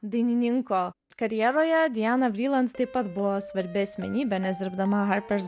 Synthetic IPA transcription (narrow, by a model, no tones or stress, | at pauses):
d̪ɐɪnʲɪnʲɪŋkoː | kɐɾʲjɛɾoːjɛd̪ʲɪjæːnɐʋʲɾʲiːlˠɐnt̪t̪ɐɪpɐt̪bʊʋoːsʋɐɾʲbʲɪɐsʲmʲɛ̰nʲiːbʲɛnʲɛzʲɪɾbd̪ɐmɐɦɑɾʲpʲɛɾs